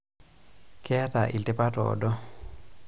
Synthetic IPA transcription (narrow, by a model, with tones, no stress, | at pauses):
ke˦a˦ta˨ʔi˨ltɪ˦pa˦tɔ̰ː˨dɔ˦